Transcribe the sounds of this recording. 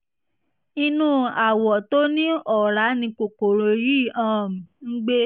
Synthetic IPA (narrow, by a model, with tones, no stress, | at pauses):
i˧nũ˦a˨wɔ˨to˦nĩ˦ɔ˨ɾa˨˦nĩ˧ko˨ko˨ɾo˨ji˦˨ã˦˨m̩̃˨ŋ̩˦ɡ͡be˦